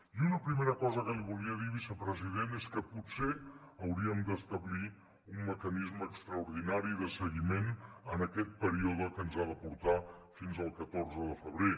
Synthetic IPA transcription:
iunəpɾimeɾəkɔzəkəliβulˠiəðiβisəpɾəziðeneskəputseəwɾiəmd̪əst̪əβli | umːəkənizməːkst̪ɾəuɾðinaɾiðəsəɣimenənəkɛt̪̚pəɾioð̞əkənzaðəpuɾt̪afinzəlˠkət̪orzəðəfəβɾe

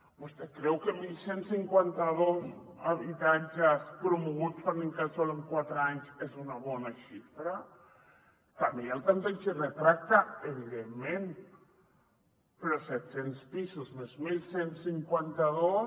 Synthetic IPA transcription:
bust̪ekɾɛwkemiʎsensiŋkwant̪aðozaβit̪ad͡ʒaspɾumuɣusfaneŋkasɔleŋkwat̪ɾaɲsezunaβɔnaʃifɾa | t̪ameelˠt̪ampeʎt͡ʃeret̪ɾak̚t̪aeβ̞iðemːẽn | peɾɔsɛt̪senspisuzmezmilsensiŋkwant̪aðos

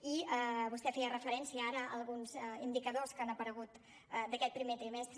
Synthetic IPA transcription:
iəβust̪ɛfɛjərəfəɾɛnsiəaɾəəlˠɣunzind̪ikəðoskanəpəɾəɣut̪ | d̪əkɛt̪̚pɾimet̪ɾimɛst̪ɾ

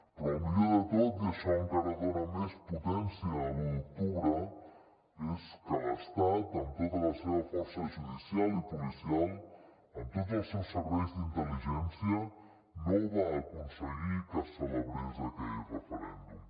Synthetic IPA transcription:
əlmiʎoðət̪ot̪d̪eʃaŋkəɾəɣoɾamesput̪ɛnsjamult̪uɾə | eskaɾəst̪at̪ənt̪ot̪alaseβafɔɾsəʒuðisjalipulisialˠ | ənt̪ot̪esewsəɾβɛjzd̪int̪əliʒɛnsjə | noβaːkunsəɣipəsəleβɾizat̪erəfəɾɛ̰nd̪um

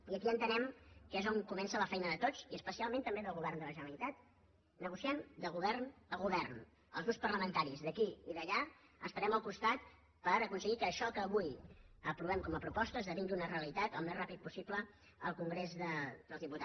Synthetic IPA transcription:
iəkiənt̪ənɛmkezoŋkumɛnsələfɛjnəðət̪ot͡siəspəsialˠmẽnt̪əmbeðəlˠɣuβɛrnd̪ələʒənəɾəlit̪at̪ | nəɣusiand̪əlˠɣuβɛrnəɣuβɛrn | ə̰lˠɣuspərləmənt̪aɾizðəkiiðəʎa | ə̰spəɾɛməlˠkust̪at̪ | pəɾəkunsəɣikəːʃɔkəːβujəpɾuβɛmkɔməpɾupɔst̪əezðəβiŋɡiunəreəlit̪at̪əlˠmezrapit̪̚pusiplə | əlˠkuŋɡɾezðəd̪əlˠzðiput̪a

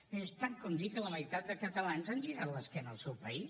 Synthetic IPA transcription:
est̪ankond̪ikələməjt̪at̪̚d̪əkət̪əlanzanʒiɾat̪ləskɛnəlˠsɛwpəis

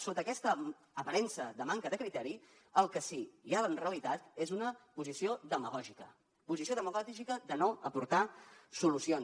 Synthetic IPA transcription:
sot̪əkɛst̪əː | pəɾɛnsəðəmaŋkəðəkɾit̪ɛɾi | əlˠkəsiʒalənreəlit̪at̪ezunəpuzisioðəməɣɔʒikə̰ | puzisioðəməɣɔʒikəðənoəpuɾt̪asulusions

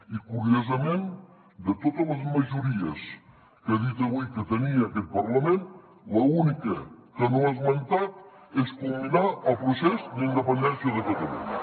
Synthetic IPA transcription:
ikuɾiozəmen | d̪ət̪ot̪ələzməʒuɾiəs | kəðit̪əβujkət̪əniəːkɛt̪̚pɐɾləmen | ləunikəkənoazmənt̪at̪̚ | ɛskumbinaʔəlˠpɾusɛzd̪ind̪əpənd̪ɛnsjəðəpət̪əlṵn

